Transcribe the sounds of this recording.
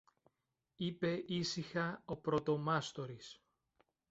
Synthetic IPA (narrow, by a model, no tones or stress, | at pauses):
ipe̞ʔisixɐopɾo̞t̪o̞mɐst̪o̞ɾis